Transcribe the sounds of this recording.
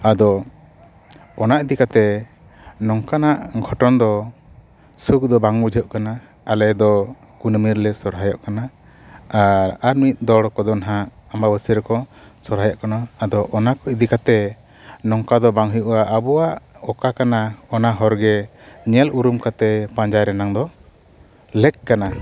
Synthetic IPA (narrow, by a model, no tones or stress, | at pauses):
ad̪ɔ | ɔnaʔid̪ikat̪ɛ | nɔŋkanaʔɡʱɔʈɔnd̪ɔ | sukd̪ɔbaŋbud͡ʒʱɔʔkana | alɛd̪ɔ | kunəmiɾlɛsɔɾɦajɔʔkana | aɾaɾmit̪̚ˀd̪ɔɽkɔd̪ɔnɦaambabəsiɾkɔsɔɾɦajɔʔkanaːd̪ɔʔɔnakɔid̪ikat̪ɛ | nɔŋkad̪ɔbaŋɦəjuʔuaʔabɔwaʔɔkakanaɔnaɦɔɾɡɛ | ɲɛluɾumkat̪ɛpãɲd͡ʒajɾɛnaŋd̪ɔ | lɛk̚kːana